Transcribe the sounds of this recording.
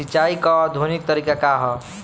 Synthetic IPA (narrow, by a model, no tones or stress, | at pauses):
it͡ʃaikɔːd̪ʱonik̚t̪ʌɾikakaɦʌ